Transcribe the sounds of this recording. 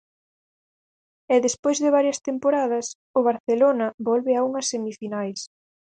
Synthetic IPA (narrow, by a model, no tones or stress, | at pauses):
ɛðespojzðɪβ̞aɾjɐst̪empoɾað̞ɐs | ʊβ̞aɾθelonɐβɔlβɪauŋɐsːemifinajs